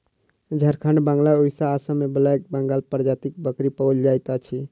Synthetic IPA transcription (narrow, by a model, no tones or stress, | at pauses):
d͡ʒʱəɾkʰəɳɖbə̃ŋɡlaoisaːsəmebəlak̚bəŋɡalpɾd͡ʒat̪ik̚bəkɾipəwld͡ʒajt̪at͡ʃʰi